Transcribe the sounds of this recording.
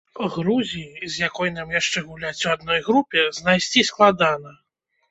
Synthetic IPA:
ɣɾuzʲiizjakɔjn̪amjaʂt͡ʂɛɣulʲat͡sʲuad̪̚nɔjɣɾupʲɛznajsʲt͡sʲisklˠad̪anɐ

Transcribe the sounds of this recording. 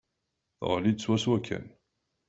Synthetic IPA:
θʁlid̪swæswækʰːæ̰n

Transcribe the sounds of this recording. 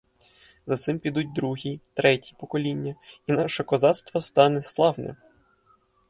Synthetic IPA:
zɐt̪sɪmpʲid̪ut̚ʲd̪ɾuɦʲit̪ɾɛtʲi̥pɔkɔlʲinʲːɐinɑʃɛkɔzɑt̪st̪ʋɔst̪ɑnɛslˠɑwnɛ̰

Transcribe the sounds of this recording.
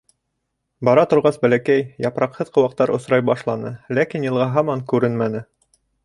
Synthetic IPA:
bɑɾɑt̪ŏɾʁɑsbælækæjjɑpɾɑqhɤðqɤ̆wɑq̚t̪ɑɾʔŏsɾɑjbɑʃlˠɑnɤlækinjɤ̆lˠʁɑɦɑmɑŋkʉɾɘnmænɘ

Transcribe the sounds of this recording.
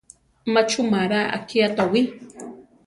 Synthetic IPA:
mat͡ʃumaɾaʔa̰kʰiat̪awi

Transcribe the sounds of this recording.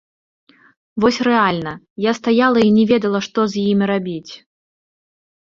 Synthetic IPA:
vɔsʲrɛalʲnɐ | jast̪ajalˠɐinʲɛvʲɛd̪ɐlˠɐʂt̪ɔzʲjimʲɾabʲit͡sʲ

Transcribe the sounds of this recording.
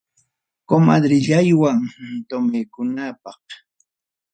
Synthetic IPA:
komad̪ɾɪʎajwaŋt̪omejkʊnapɑχ

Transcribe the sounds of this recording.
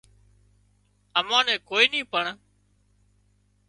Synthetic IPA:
əmãːnɛ̃ːkoːiːnĩːpəɳ

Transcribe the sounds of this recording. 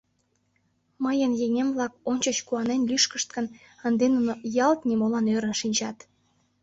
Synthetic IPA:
məjənjeŋemvlɑkonʲt͡ɕət͡ɕkuɑnenlyʃkəʃt̪̚kən | ənd̪enunojɑlt̪nimolɑnøɾə̆nʃinʲt͡ɕɑt̪

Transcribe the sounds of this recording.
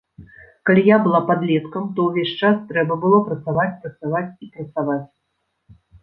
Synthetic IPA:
kalʲijabɨlˠapad̪lʲɛt̪kɐmt̪ɔwvʲeʂt͡ʂast̪ɾɛbɐbɨlˠɔpɾɐt̪savat͡sʲpɾɐt̪savat͡sʲipɾɐt̪savat͡sʲ

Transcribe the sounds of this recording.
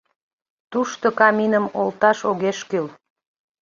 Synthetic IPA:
t̪uʃt̪okɑminəmolt̪ɑʃoɣeʃkyl

